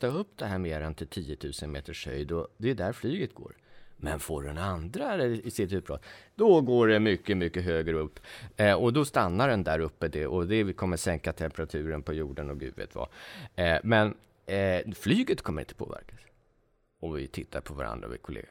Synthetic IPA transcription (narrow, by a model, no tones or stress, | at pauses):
t̪ɑɵpːd̪ɛɦæːɾmeːɾɛnt̪ʰɪlt̪ʰiːjət̪ʰʉ̟ːsənmḛːt̪əʂhœ̰jd̪ɔd̪ɛːd̪æɾflyːɡət̪̚ɡo̰ːɾ | mɛnfoːɖɛnand̪ɾalɛɪsɪt̪ʉːt̪̚bɾɑ̰ːt̪d̪̥ɔɡoːɖɛmʏkːəmʏkːəɦøːɡɾəɵpːɔd̪ɔst̪anːaɖɛnd̪æɾɵpːəd̪ɛʔɔd̪ɛkʰɔmːəʂɛŋkat̪ʰɛmpəɾat̪ʰʉ̟ːɾənpʰɔjuːɖənɔk̪ʉ̰vḛːt̪va̰ | mɛn | flyːɡət̪kʰɔmːəɾɪnt̪ə̥pʰo̰ːvæ̰ɾkas | ɔmvɪt̪ʰɪt̪ːaɾpʰɔvaɾa̰nd̪ɾa̰vɪ̰kʰʊlḛːɡa